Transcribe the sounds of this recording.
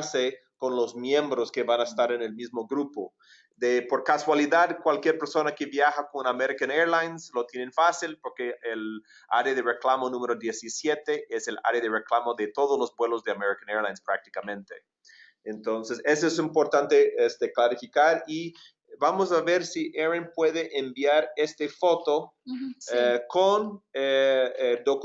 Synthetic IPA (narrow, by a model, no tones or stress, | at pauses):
ɾsekonlozmjẽmbɾoskeβanaest̪aɾenelmizmoɡɾupo | d̪epoɾkaswaliðaðkwalkjeɾpeɾsonakeβjaxakonameɾikaneɾlajnslot̪jenẽnfasilpoɾkeel | a̰ɾeðereklamonũmeɾoðjesisjet̪eʔesela̰ɾeðereklamoðet̪oðoslozbwelozðeameɾikaneɾlajnspɾak̚t̪i̥kamẽnt̪e | ent̪onsesesoes̬impoɾt̪ant̪eest̪eklaɾifikaɾi | bamos̬aβeɾsiʔeɾenpweðeʔembiaɾest̪efot̪o | kone | d̪ok